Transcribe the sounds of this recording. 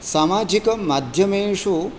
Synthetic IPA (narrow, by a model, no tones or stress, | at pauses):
saːmaːd͡ʒikɐmad̪ʱjɐmeːʂu